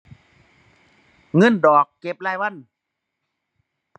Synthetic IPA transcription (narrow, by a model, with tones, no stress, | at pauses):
ŋɤ˧˥˨ndɔː˨˩kːe˧˦p̚laː˧˩jwa˧˥˨n